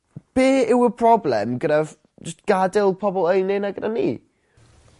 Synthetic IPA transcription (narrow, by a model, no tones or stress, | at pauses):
b̥eːɪwəpʰrɔblˠɛmɡəɾav̥ | d͡ʒəstɡ̥adɪlˠpʰɔbɔlˠəjnɪnaɡədanːḭː